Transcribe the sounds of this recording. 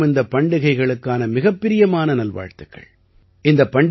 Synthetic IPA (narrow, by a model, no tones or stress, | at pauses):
mɪnd̪ɐpːɐɳɖɯɣɐɪɣɐɭɯkːaːnɐmɪɣɐpːɪɾɪjɐmaːnɐnɐlʋa̰ːɻt̪ɯkːɐ̰ɭ | ʔɪnd̪ɐpːɐɳɖ